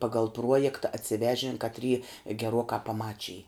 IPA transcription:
ˈpɑːɡɐlˠ ˈpruɔjɛktɐ ɐtʲsʲɪˈʋʲæːʒʲɪn kɐtʲˈrʲiː ɡʲɛˈruɔkɑː pɐˈmɑːt͡ʃʲɪj

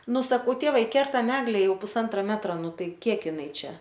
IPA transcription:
ˈnʊ sɐˈkɐʊ ˈtʲeːʋɐɪ ˈkʲɛrtɐm ˈæːɡlʲɛ ˈjɛʊ pʊˈsɐntrɐ ˈmʲæːtrɐ ˈnʊ ˈtɐɪ ˈkʲiɛk ˈɪnɐɪ ˈt͡ʃʲɛ

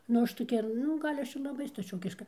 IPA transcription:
nʊ ˈɐʃ toːˈkʲɛ nʊ ˈɡɐlʲ ˈɐʃ ɪr lˠɐˈbɐɪ stɐˈt͡ʃʲoːkʲɪʃkɐ

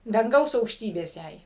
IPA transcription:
dɐŋˈɡɐʊs ɐʊkʃʲˈtʲiːbʲeːs ˈjɛɪ

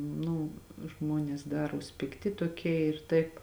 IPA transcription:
ˈnʊ ˈʒmuɔnʲeːs ˈdɑːruɔs pʲɪkˈtʲɪ toːˈkʲiɛ ɪr ˈtɐɪp

